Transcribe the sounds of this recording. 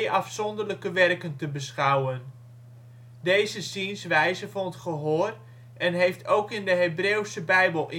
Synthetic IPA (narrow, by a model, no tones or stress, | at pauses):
ʔɑfsɔndərləkəʋɛrkəntəbəsχawən | dejzəsinsʋɛjzəfɑnətχəɦoːr | ɛnɦejftʰowkɪndəɦebreːwsəbɛjbəlˠʔɪ